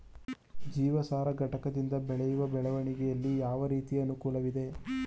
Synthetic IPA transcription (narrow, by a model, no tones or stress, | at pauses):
d͡ʒiːʋɐsaːɾɐɡɐʈɐkɐd̪ind̪ɐbɛɭɛjuʋɐbɛɭɐʋɐɳiɡɛjɐlːijaːʋɐɾiːt̪iɐnukuːlɐʋid̪e̞